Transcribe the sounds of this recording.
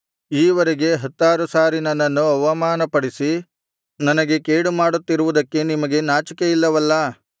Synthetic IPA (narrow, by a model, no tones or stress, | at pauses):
iːʋɐɾeɡe̞ɦɐt̪ːaːɾusaːɾinɐnːɐnːuɐʋɐmaːnɐpɐɽisi | nɐnɐɡe̞keːɽumaːɽut̪ːiɾuʋud̪ɐkːe̞nimɐɡe̞naːt͡ʃɐkeilːɐʋɐlːɐ